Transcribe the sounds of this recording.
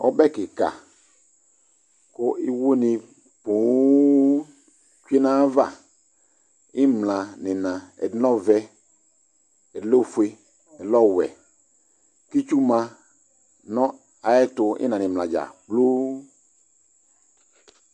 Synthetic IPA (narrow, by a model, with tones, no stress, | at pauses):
ɔ̰˦bɛ˦kɪ˨ka̰˨ | ko˦i˦wo˦ni˨ | pũ˨˦ | t͡ʃe˦nã˦va˦˨ | ɪ˦mlã˨nɪ̃˨nã˨ɛ̰˨dnɔ˦vɛ˦ | ɛ˨lo˦fu˨e˦ | ɛ˨lɔ˦wɛ̰˨ | ki˦t͡ʃu˦mã˧ | nɔ̃˦ | a˨ɛ˦tʊ˨ɪ̰˦nã˨nɪ̃˨mlã˨d͡ʒa̰˨blo˦